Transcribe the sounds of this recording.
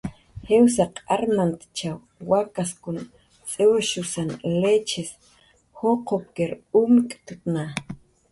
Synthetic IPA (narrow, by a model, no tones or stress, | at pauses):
hews̬aqaɾmant̪t͡ʃaw | wakaskun | t͡sʼewʃusanlet͡ʃes | hoqʰop̚keɾuːmkʼt̪ut̪na